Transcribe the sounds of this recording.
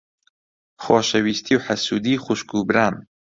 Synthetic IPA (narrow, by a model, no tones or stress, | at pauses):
xoːʃɐwiːst̪ʰiːwħasuːd̪iːχuʃkubɾaːn